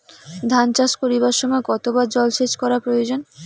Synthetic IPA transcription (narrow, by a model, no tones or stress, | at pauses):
d̪ʱant͡ɕaʃkoɾiβaʃɔmɔekɔt̪obaɾd͡ʑɔlʃet͡ɕkɔɾapɾojod͡ʑon